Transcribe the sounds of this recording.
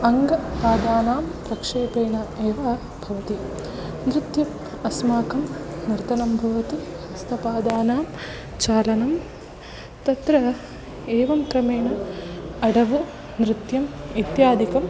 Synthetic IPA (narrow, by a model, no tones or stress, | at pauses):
ɐŋɡɐpaːd̪aːnaːmpɾɐkʂeːpeːnɐeːʋa | bʱɐʋɐt̪i | nɾɪt̪jɐm | ɐsmaːkʰɐmnɐɾt̪ɐnɐmbʱɐʋɐt̪iɐst̪ɐpaːd̪aːnaːm | t͡ʃaːlɐnɐm | t̪ɐt̪ɾɐ | ɛːʋɐmkɾɐmejnɐɐɽɐʋu | nɾɪt̪jɐmit̪jaːd̪ʱikɐm